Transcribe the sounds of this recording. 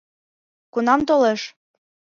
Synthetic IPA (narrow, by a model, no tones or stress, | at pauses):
kunɑmt̪oleʃ